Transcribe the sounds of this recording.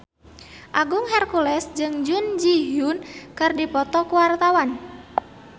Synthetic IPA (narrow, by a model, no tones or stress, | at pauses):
ʔaɡʊŋhɛrkulɛsd͡ʒɨŋd͡ʒʊnd͡ʒiɦʊnkɨrdipɔt̪ɔkuwart̪awan